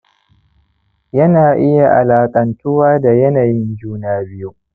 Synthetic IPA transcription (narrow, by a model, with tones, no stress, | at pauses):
jɐ˦naː˨ʔɪ˦ja˨ʔa˨laː˨kʼɐ˨ntʊ˦waː˦da˨jɐ˦naː˨jɪ˦nd͡ʒuː˦naː˦bɪ˦ju˦